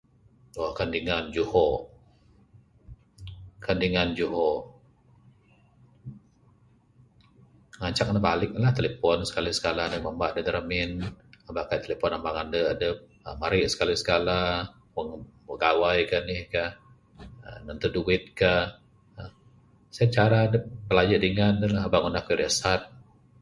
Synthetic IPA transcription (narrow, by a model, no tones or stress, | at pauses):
ɔhkəndiŋand͡ʒuhɔ | kəndiŋand͡ʒuɦɔ | ŋaɲt͡ʃak̚nəbalɪk̚nlaht̪elepɔnsə̥kalisə̥kalanəməmbaʔdəd̪əɾəmɪnabaʔkajt̪elepɔnambaŋandəadəp̚ | əmaɾiʔsə̥kalisə̥kala | wəŋwəɡawajkanɪhkah | ənənt̪uduwɪt̪̚kah | ə | sajat͡ʃaɾaːdəpəlad͡ʒəʔdiŋandəlaɦabaʔŋunahkiɾəsat̪̚